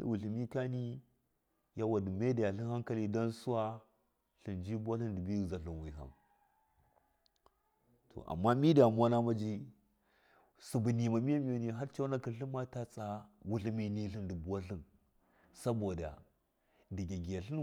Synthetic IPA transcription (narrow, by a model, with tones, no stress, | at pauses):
wu˨ɬi˨mi˦ka˦ni˦ | ja˦wa˨du˨me˦da˨ja˨ɬi˦nha˦ŋka˦li˦do˦nsu˦wa˦ | ɬi˨nd͡ʒi˦bu˦wa˦ɬi˦ndi˨bi˦˨za˨ɬu˨nwi˨ɦa̰˨m | tʰo̰˨ʔa̰˨mːa˦mi˦da˨m˦a˦na˦ma˦d͡ʒi˦ | su˨bu˨ni˨ma˨mi˦a˦mi˦jo˨ni˨ɦa˦ɾt͡ʃa˦wna˦ki˨˦ɬi˦ma˦ta˦t͡sa˦wu˦ɬi˦mi˦ni˦ɬi˦ndi˨bu˦wa˦ɬi˦n | sa˦bo˨da̰˨ | di˨ɡʲa˨ɡi˨ja˨ɬi˦n